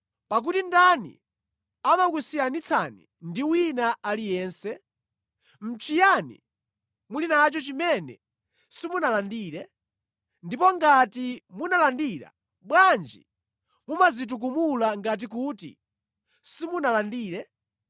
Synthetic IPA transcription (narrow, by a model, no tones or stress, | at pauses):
pak̬utindanḭ | amakusijanit͡sʰa̰nḭ | ndiwinaalijɛːnsɛ | m̩t͡ʃʰijanḭ | mulinat͡ʃɔt͡ʃimɛnɛ̰ | simunalandiːɾɛ | ndipɔŋɡatimunalandiɾa̰ | ɓwand͡ʒḭ | mumazit̬uk̬umulaŋɡat̬ikuːtḭ | simunalandiːɾɛ